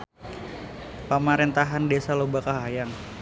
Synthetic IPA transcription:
pəmaɾint̪aɦandesalobakaɦajaŋ

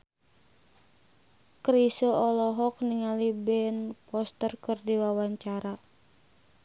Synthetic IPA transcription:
kɾisəɔlɔɦɔk̚niŋalibɛnpɔst̪ərkɨrdiwawaɲt͡ʃaɾa

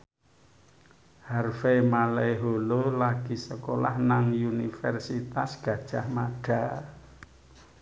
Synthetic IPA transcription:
harfemaleɦololaɡ̥isəkola̰hnaŋjunifɛrsit̪asɡ̥ä̤d̥ʒ̥ahmaɖ̥a

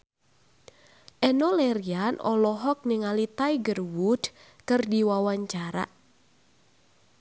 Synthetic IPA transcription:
ʔɛnɔleɾianʔɔ̰lɔɦɔk̚niŋalit̪ajɡərwud̥ | kɨrdiwawaɲt͡ʃaɾa̰

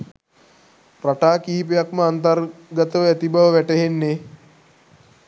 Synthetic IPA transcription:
raʈaːkiɦipejakməant̪ɐrɡət̪əʋəæt̪ibaʋəʋæʈəɦenːe

